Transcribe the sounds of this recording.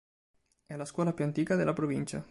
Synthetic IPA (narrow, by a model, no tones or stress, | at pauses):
ɛlaskwɔːlapjuant̪iːkad̪elʔapɾovint͡ʃa̰